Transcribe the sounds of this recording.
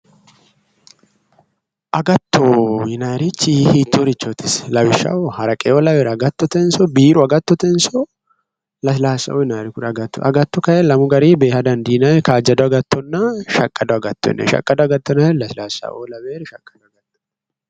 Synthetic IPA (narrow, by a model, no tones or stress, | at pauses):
ʔɐɡɐt̪ːɔɪnaːɾɪt͡ʃːihiːt̪ːoɾɪt͡ʃːot̪ɪslɐwɪʃɐ̰wɔhɐɾɐkʼɛolɐbeːɾɐɡɐt̪ːɔt̪ɛnsɔbiːɾʊɐɡɐt̪ːɔt̪ɛnsɔ | lɐs̬ɪlaːsɐ̰ʔoɪnaːɾɪkʊɾɐɡɐt̪ːɔ̰ʔɐɡɐt̪ːɔkɐjɛlɐmʊɡɐɾiːbeːhɐd̪ɐnd̪iːnajɛkaːd͡ʒɐd̪ɔɐɡɐt̪ːɔnːɐʃɐkʼːɐd̪ɔɐɡɐt̪ːɔ̰ɛ̰nːɛ̰ʃɐ̰kʼːɐd̪ɔɐɡɐt̪ːɔnɐɛlɐsɪlaːsɐ̰ʔo̰lɐβeːɾʃɐkʼːɐd̪ɔɐɡɐt̪ːɐn